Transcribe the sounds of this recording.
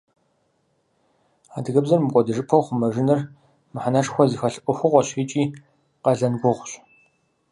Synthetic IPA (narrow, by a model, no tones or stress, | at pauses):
aːdɨɣɐbzɐrmɨkʷʼɔdɨʐɨpʰɐwχʷʊmɐʒɪnɐr | mɨħanaʈ͡ʂʼxʷɔzixɐɬʔʷʼʊxʷʊʁʷɔɕiːt͡ʃʼiː | qɐɮɐnɡʷʊʁʷɕ